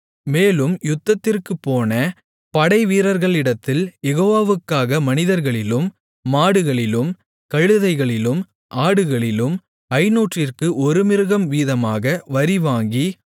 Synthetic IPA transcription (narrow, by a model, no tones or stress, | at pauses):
meːlɯmjʊt̪ːɐt̪ːɪrkɯpːoːnɐ | pɐɽɐɪʋiːɾɐɾɣɐɭɪɽɐt̪ːɪljɛɣoːʋaːʋɯkːaːɣɐmɐnɪðɐɾɣɐɭɪlɯmː | aːɽɯɣɐɭɪlɯm | kɐɻɯðɐɪɣɐɭɪlɯm | ʔaːɽɯɣɐɭɪlɯm | ɐɪnuːʈrɪrkɯʔɔɾɯmɪɾɯɣɐmʋiːðɐmaːɣɐʋɐɾɪʋaːŋɡi